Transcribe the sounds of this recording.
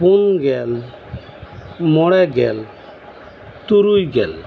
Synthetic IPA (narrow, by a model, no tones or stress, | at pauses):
punɡɛl | mɔɽɛɡɛ̰l | t̪uɾujɡɛl